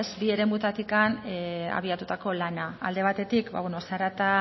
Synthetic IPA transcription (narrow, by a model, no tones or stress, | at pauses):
sbie̞ɾe̞mut̪at̪ikana̰β̞iat̪ut̪ako̞lana̰ːld̪e̞β̞at̪e̞t̪ikba̰βweno̞saɾat̪a